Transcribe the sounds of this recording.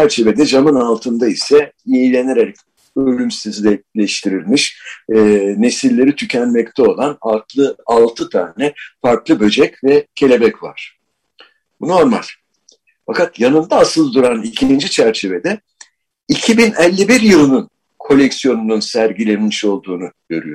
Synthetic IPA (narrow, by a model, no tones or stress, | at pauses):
t͡ʃʰæɾt͡ʃʰe̞ved̪ɛd͡ʒamɯnalˠt̪ʰɯnd̪aisɛjejilʲe̞neɾeɾc | ølʲymsizlʲɛlʲɛʃt̪ʰiɾilʲmiʃː | ne̞silʲːe̞ɾit̪ʰycʰænmɛc̚t̪ʰɛo̞lˠanat̪ˠalˠt̪ʰɯt̪ʰa̰ːnɛfaɾklˠɯbø̞d͡ʒɛcvɛcʰe̞lʲe̞bɛcva̰ɾ̥ | buno̞ɾma̰lʲ | fakat̪janɯnd̪aːsɯlˠd̪uɾanilʲcʰind͡ʒit͡ʃʰæɾt͡ʃʰe̞ve̞d̪ɛ | icʰibinɛlʲːibiɾjɯlˠɯnun | kʰo̞lʲɛcsijo̞nununsæɾɟilʲenmiʃo̞lˠd̪uːnuɟ̥ø̞̰ɾy̰jo